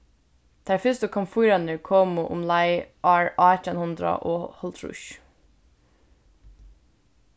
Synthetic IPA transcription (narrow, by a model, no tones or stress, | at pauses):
d̪̥ʰæɹfʏst̪əkʰɔmfujɾɑnəɹkʰoːmʊʔʊ̰mlɑɪʔɑːɹʔɑːtənhʊnd̪ɾɑ̰ʔoːhɔlt̪ʰɾʊ̰ʃ